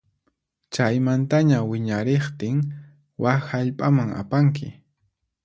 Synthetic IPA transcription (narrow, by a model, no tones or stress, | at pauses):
t͡ʃajmant̪aɲawɪɲaɾeχt̪ɪŋ | waxhaʎpʼamaŋa̰paŋk̬ɪ̰